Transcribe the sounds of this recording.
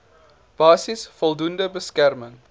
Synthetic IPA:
b̥ɑːsisfɔlˠdundəbəskærməŋ

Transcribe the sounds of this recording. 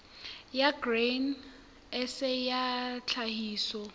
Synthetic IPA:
jaɡren | ɛsɛjat͡ɬʰahiːsɔ

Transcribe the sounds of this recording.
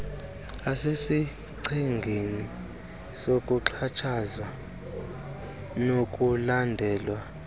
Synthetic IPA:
asesi | ǀʰiŋɡʱeni | sokʼuǁʰat͡ʃʰazwa | nokʼulandʱɛːlwa

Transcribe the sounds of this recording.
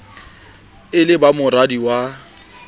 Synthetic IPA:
ɪlɪbamʊradiwa

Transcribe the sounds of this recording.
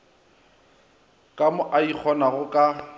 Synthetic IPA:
kʼamʊʔaik͡xʰɔnaɣʊkʼa

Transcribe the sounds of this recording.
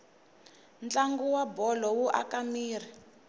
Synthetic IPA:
nt͡ɬaŋɡuwabɔlɔwuʔa̰kamiːr̤i

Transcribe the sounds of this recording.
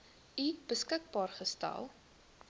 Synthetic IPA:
ib̥əskək̚bɑːrχəstæ̰lˠ

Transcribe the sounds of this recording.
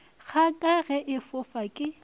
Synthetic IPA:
χʰakʼaɣɛʔɪfʊfakʼɪ

